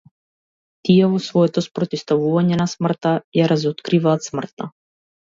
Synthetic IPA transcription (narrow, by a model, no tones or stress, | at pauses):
t̪ijɛvɔsvɔjɛt̪ɔspɾɔt̪ist̪avuvaɲɛnasmr̩t̪ajaɾazɔt̪kɾivat̪smr̩t̪̚a̰